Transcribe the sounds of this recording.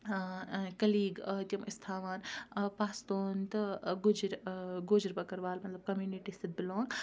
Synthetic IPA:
kɐliːɡt̪ʲɐmist̪ʰaːʋaːnpaːst̪oːnt̪ɨɡud͡ʒɾɡoːd͡ʒɾbɐkɐɾʋaːlmɐt̪lɐb̚kɐmjuːniʈist̪id̪̚bɪloːŋ

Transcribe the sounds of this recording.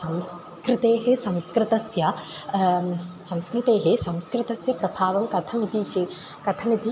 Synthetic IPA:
sɐ̃ms | kɾɪt̪eːɦesɐ̃mskɾɪt̪ɐsjɐ | sɐ̃mskɾɪt̪eːɦesɐ̃mskɾɪt̪ɐsjɐpɾɐbʱaːʋɐmkɐt̪ʰɐmit̪it͡ʃe | kɐt̪ʰɐmit̪i

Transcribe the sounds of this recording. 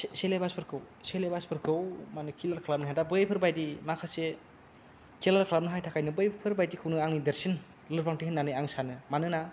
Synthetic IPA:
sselebaspʰɯɾkʰɯw | selebaspʰɯɾkʰɯwmanɯkʰilaɾkʰlap̚nɯɦajdabɯjpʰɯɾbajdimakʰase | kʰilaɾkʰlap̚nɯɦajtʰakʰajnɯbɯjpʰɯɾbajdikʰɯwnɯaŋnideɾsin | lɯɾpʰaŋtihɯnːanɯjaŋsanɯmanɯna

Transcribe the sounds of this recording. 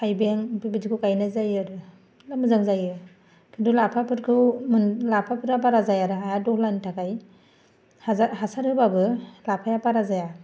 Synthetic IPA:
kajbeŋpibid͡ʒikʰukajnazajɯɾɯ | lamɯzaŋzajɯ | kʰindulapʰapʰɯɾkʰɯwmɯnlapʰapʰɯɾap̬aɾazajaɾɯaadɔhlantʰakaj | haaɦasaɾhɯbabɯlapʰajapaɾazaja

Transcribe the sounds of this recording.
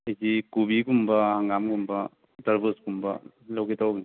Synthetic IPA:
ɐjzikubiɡumbɐhaŋɡamɡumbɐ | taɾbɯsɡumbɐ | lawɡitawɡ

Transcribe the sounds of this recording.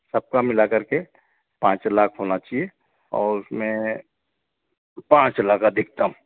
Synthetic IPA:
səb̚kamɪlakəɾke | pãːt͡ʃlaːkʰɦonat͡ʃaɦie | ɔ̰ːɾʊsmẽ | pãːt͡ʃlaːkad̪ɪk̚ʰt̪aɦũ

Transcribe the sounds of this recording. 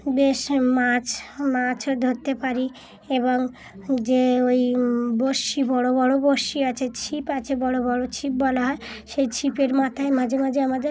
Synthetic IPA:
beʃmat͡ɕʰmat͡ɕʰoɾd̪ʱoɾt̪ːepaɾi | eβoŋ | d͡ʑeojboʃibɔɽobɔɽoboʃiat͡ɕʰet͡ɕʰipat͡ɕʰebɔɽobɔɽot͡ɕʰip̚bɔlaɦɔe | ʃejt͡ɕʰipeɾmat̪ʰaemad͡ʑʱemad͡ʑʱeamad̪eɾ

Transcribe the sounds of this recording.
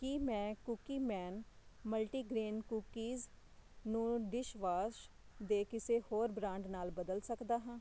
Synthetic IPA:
kimɛ̃ːkuːkiːmɛːnməlʈiːɡɾiːnkuːkiːz | nũːɖɪʃʋaːʃ | d̪eːkɪseːhoːɾbɾãːɳɖnaːlbəd̪əlsəkd̪aːɦãː

